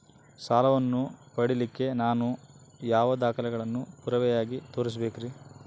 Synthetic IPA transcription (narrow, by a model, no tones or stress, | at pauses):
saːlɐʋɐnːupɐɽilikːe̞naːnujaːʋɐd̪aːkɐlɛɡɐɭɐnːupuɾɐʋɛjaːɡit̪o̞ːɾis̬ɐbeːkiɾi